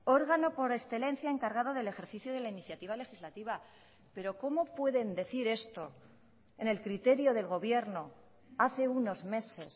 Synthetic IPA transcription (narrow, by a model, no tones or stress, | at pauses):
o̞ɾɣano̞po̞ɾe̞sθe̞lẽ̞n̟θjae̞ŋkaɾɣ̞að̞o̞ðe̞le̞xe̞ɾθiθjoðe̞lainiθjat̪iβ̞ale̞xizlat̪iβ̞a | pe̞ɾo̞ko̞mo̞pwe̞ðe̞nd̪e̞θiɾe̞st̪o̞ | ene̞lkɾit̪e̞ɾjo̞ðe̞lɣo̞βje̞ɾno̞ | aθe̞uno̞zme̞se̞s